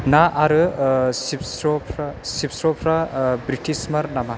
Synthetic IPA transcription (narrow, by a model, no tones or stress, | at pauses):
naʔaɾɯsipsɾopʰɾasipsɾopʰɾabɾiʈʰismɐɾnama